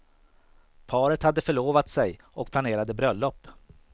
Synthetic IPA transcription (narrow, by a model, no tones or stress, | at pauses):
pʰɑːɾət̪had̪ːəfœɭoːvat̪sɛj | ɔk̚pʰlaneːɾad̪əbɾœlːɔpː